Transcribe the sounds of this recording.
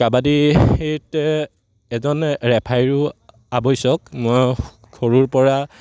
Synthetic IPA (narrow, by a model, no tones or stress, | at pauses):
kabadiet | ɛzɔnɹɛpʰajɹu | abɔjsɔkmɔj | kʰoɹuɹpɔɹa